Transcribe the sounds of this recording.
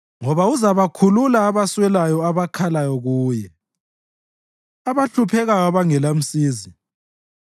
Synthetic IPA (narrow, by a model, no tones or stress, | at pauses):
ŋɔβauzaβakʰululaːβaswɛlajɔaβakʰalajɔɣuːjɛ | aβaɬupʰɛɣajɔβaŋɛlam̩siːzi